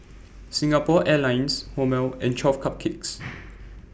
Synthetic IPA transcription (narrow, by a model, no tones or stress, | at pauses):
sĩŋapɔʔɛlãɪ̃nshomɛlɛ̃nt͡ʃɔfkʰap̚kʰiks